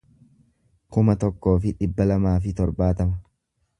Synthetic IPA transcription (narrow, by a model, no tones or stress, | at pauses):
kʊmɐt̪ɔkːo̞ːfɪᶑɪbːɐlɐmaːfɪt̪ɔɾbaːt̪ɐmɐ